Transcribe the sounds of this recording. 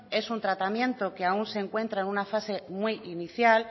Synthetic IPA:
e̞sunt̪ɾat̪amjẽ̞nt̪o̞keaunse̞ŋkwe̞nt̪ɾaenũnafase̞mwiʔiniθjal

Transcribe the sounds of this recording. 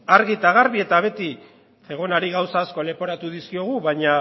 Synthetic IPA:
aɾɣit̪aɣ̞aɾβie̞t̪aβ̞e̞t̪i | e̞ɣ̞o̞naɾiɣawsaːsko̞le̞po̞ɾat̪uðiskio̞ɣ̞uβaɲa

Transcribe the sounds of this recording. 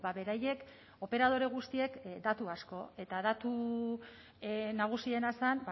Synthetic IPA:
baβe̞ɾaje̞k | o̞pe̞ɾað̞o̞ɾe̞ɣ̞ust̪ie̞kd̪at̪uasko̞e̞t̪aðat̪u | naɣ̞usie̞nasanb

